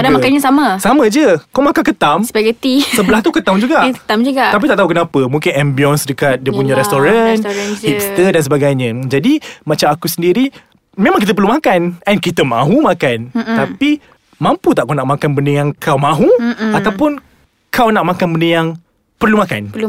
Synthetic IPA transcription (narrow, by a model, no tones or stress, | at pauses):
adamakanɲãsaməsamə̃d͡ʒəkawmakankət̪amsəbaɡat̪isəbəlaht̪ukət̪amd͡ʒuɡaʔət̪amd͡ʒuɡaʔ̪apit̪aʔt̪aɦukənapəmũŋkɪnɛmbiɔnsdəkat̪̚diəpuɲãɾɛst̪oɾanhip̚st̪ədansəbaɡajɲə̃d͡ʒadimãt͡ʃamakusəndiɾi | memaŋkit̪əpərlumãkanɛnkit̪əmã̰ɦumãkant̪api | mãmput̪aʔkawnaʔ̚makanbəndəjaŋkʰawmãɦuat̪awpʊn | kʰawnaʔ̚makanbəndəjaŋ | pərlumaka̰n